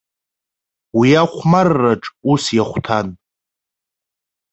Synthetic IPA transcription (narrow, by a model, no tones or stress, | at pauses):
wijaχʷmarːaʈ͡ʂʼusjaχʷtʰan